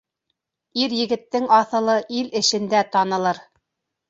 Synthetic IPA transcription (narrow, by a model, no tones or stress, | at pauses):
iɾjɘ̆ɡɘ̆t̪ːɘŋɑθɤ̆lˠɤʔilɘ̆ʃɘ̆nd̪æt̪ɑnɤ̆lˠɤɾ